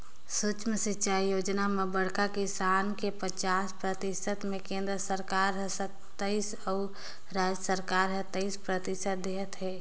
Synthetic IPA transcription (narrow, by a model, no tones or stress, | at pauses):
sʊt͡ʃmsɪtːt͡ʃaːijoːd͡ʒnamebəɽkakisaːnkepət͡ʃaːspɾət̪ɪsət̪mẽkẽːnd̪ɾəsəɾkaːɾɦɛsət̪ː | əis | ə | ɾad͡ʒəsəɾkaːɾɦət̪ːəɪspɾət̪ɪsət̪̚d̪eɦət̪ɦɛː